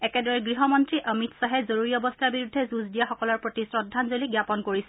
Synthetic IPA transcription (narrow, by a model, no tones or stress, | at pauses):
ɛkɛdɔɹɛɡɹiɦɔmɔntɹiʔəmitsaɦɛzoɹoɹiɔbɔstʰaɹbiɹudʱːɛzuzdijaxɔkɔlɔɹpɹotisɹɔdʱːanzoliɡjapɔnkoɹisɛ